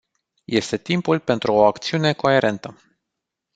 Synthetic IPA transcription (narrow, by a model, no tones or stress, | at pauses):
je̞st̪e̞t̪impulpe̞nt̪ɾuoakt̪siune̞ko̞e̞ɾʔe̞nt̪ə